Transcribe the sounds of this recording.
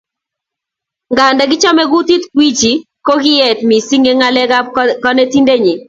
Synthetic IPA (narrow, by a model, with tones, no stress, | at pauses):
ŋɡa˨ndɛ˦ɡɪ˦t͡ʃɔ˦mɛ˦ɡu˦t̪i˦t̪kwi˦t͡ʃi˨ | ko˦ɡɪ˦e˨t̪mi˨si˦ŋe˦ŋa˦lɛ˦akɔ˦ne˦ti˦nde˦ɲi˨